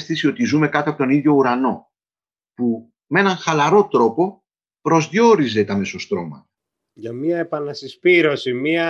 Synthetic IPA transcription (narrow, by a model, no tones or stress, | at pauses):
st̪isio̞t̪izume̞kɐt̪oɐpot̪o̞niðʝo̞uɾɐno̞ | pu | mee̞nɐŋxɐlɐɾo̞t̪ɾo̞po̞ | pɾo̞zðio̞ɾize̞t̪ɐme̞so̞st̪ɾo̞mɐɐ | ʝɐmiɐepɐnɐsispiɾo̞simiɐ